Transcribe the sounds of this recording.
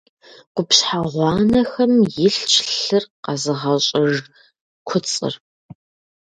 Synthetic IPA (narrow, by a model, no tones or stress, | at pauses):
qʷʊpɕħaʁʷɑːnɐxɐmjɪɬt͡ʃɬɨrqɑzɨʁɐɕʼɪʐ | kʷʰʊt͡sʼɨ̰r